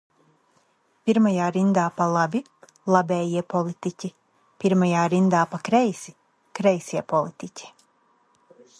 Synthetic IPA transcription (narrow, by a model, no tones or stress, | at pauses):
pʲiɾmajaːɾind̪aːpalˠabʲi | lˠabʲɛːjiɛpɔlˠit̪icʲi | pʲiɾmajaːɾind̪aːpakɾɛjsi | kɾɛjsʲiɛpɔlˠit̪icʲʰi̥